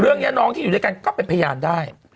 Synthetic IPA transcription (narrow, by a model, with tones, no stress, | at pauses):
ɾɯ˥˩əŋni˦˥nɔː˦˥ŋt̪ʰiː˥˨u˨˩dka˧nkɔː˥˩pe˧npʰajaː˧mdaː˥˩j